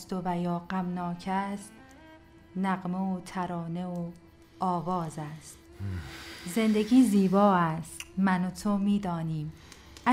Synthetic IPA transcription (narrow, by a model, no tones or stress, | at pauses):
st̪ovæjɒːɢæmnɒːcʰæst̪ | næɣmeot̪ʰæɾɒːneo | ɒːvɒːzæst̪ | ze̞nd̪eɟiːziːbɒːæst̪mænot̪ʰomiːd̪ɒːniːm | æ